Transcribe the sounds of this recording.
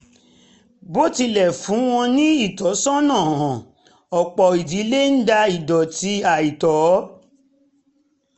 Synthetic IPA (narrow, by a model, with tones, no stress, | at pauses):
bo˦ti˧lɛ˨fũ˨˦w̃ɔ̃˧nĩ˦i˦˨tɔ˨˦sɔ̃˦nã˦˨hã˨ | ɔ˨k͡pɔ˨i˨di˨˦le˦n̩˦da˧i˨dɔ˨ti˧˦a˨i˨tɔ˨˦